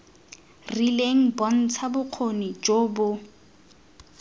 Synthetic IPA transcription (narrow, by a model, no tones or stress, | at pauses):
rileŋ̩bɔn̩t͡sʰabʊq͡χʰonit͡ʃʼoːbʊ